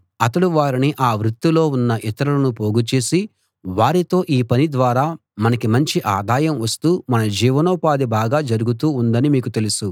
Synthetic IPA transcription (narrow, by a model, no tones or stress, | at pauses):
ɐt̪ɐɽuʋaːɾiniʔaːʋɾut̪ːilo̞ːunːɐʔit̪ɐɾɐlɐnupoːɡut͡ʃeːsi | ʋaːɾit̪o̞ːʔiːpɐnid̪ʋaːɾaː | mɐnɐkimɐɲt͡ʃiʔaːd̪ʱaːjɐmʋɐst̪uːmɐnɐd͡ʒiːʋɐnɔːpaːd̪ibaːɡaːd͡ʒɐɾuɡut̪̬uːnd̪ɐnimiːkut̪e̞lusu